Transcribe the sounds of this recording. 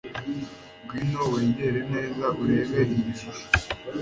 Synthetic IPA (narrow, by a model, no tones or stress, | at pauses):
ɡwiːnowe̞ːɲɡeɾeneːzaʔuɾe̞ːβeɾiːi